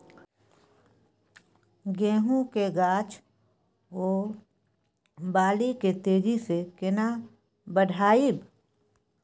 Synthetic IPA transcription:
ɡẽːɦũkeɡaːt͡ʃ | oː | baːliket̪eːd͡ʒisekɪna | bəɖʱaːib

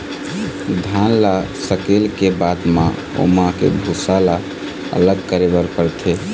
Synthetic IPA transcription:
d̪ʱanla | səkelkebad̪mã̰ | o̰makḛbʱusala | ə̰ləɡkəɾebəɾpəɾt̪ʰe

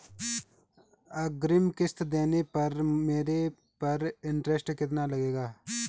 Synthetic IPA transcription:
ɐɡɾɪmkɪst̪d̪eːnepɐɾmeːɾe | pɐɾɪɳʈɾesʈkɪt̪nalɐɡeːɡaː

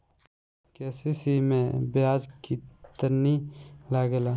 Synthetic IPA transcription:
kɛːsisimẽbɪaːd͡ʒkit̪əɾnilaːɡelaː

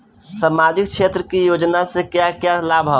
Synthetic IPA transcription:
samad͡ʒɪk̚ʃʰet̪ɾəkijoːd͡ʒnasekjakjalabʱa

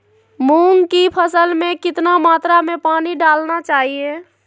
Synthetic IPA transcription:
muŋɡkipʰəsəlmẽkɪt̪namaːt̪ɾamepaːniɖaːlnat͡ʃaːɦie

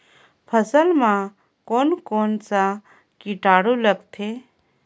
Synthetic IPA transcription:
pʰəsəlmã | koːnkoːnsa | kiʈaːɽuləɡt̪ʰe

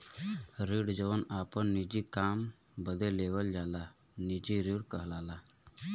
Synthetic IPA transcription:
ɾiɽd͡ʑəʋənapəɳːid͡ʑikam | bəd̪ʱeleʋəld͡ʒala | nid͡ʑiɾiːɽkəɦlala

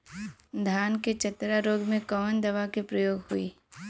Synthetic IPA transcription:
d̪ʱjaːnket͡ʃɐt̪ɾaɾoːɡmẽkəmənd̪ɐʋakepɾɐjoːɡhʊiː

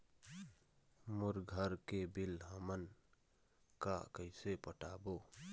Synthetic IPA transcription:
mʊɾɡʱəɾkebɪlɦəmən | kakəɪsepəʈaːboː

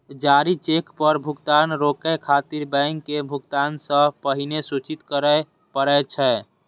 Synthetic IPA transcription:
d͡ʒaɾit͡ʃekpəɾbʱukt̪anɾokɛkʰat̪iɾbəŋkːebʱukt̪ansə̃pəɦinesut͡ʃit̪kəɾə | pəɾɛt͡ʃʰɛ

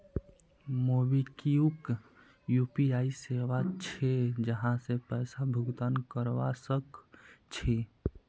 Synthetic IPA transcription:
moːbikiuk | juːpiaːiseːʋat͡ʃʰed͡ʒəɦãsepɛːsabʱʊɡt̪ankəɾʋasəkt͡ʃʰe

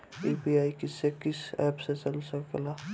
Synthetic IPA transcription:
iːbiaːikɪsekɪsɛːpset͡ʃɐlsəkɡlaː

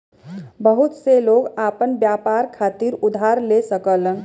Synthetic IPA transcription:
bəɦut̪seloɡapənbjapaɾkʰat̪iɾud̪ʱaɾlesəkələn

